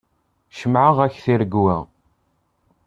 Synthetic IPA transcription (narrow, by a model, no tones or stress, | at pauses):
ʃəmʕəʁæçθiɾəɡwæ